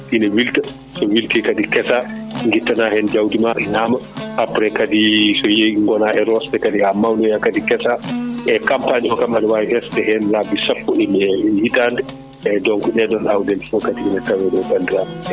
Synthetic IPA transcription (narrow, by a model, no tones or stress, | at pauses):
ʔinɛwilta | sɔwiltikadikɛsaŋɡitːanahɛnd͡ʒawdimaɲamahapɾɛkadisɔjeŋɡɔnaɛɾɔstɛkadihamːawnɔjakadikɛsaʔɛkampaniɔkamanwawihɛstɛhɛnlabisapːɔinɛhitandɛ | ɛdɔŋkuɗɛdɔnʔawdɛlfɔkadiinatawɛɗɔbandiɾaːm